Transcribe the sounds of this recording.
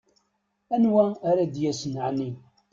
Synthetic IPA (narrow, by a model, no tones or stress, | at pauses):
ænwæːɾæd̪jæsnəʕni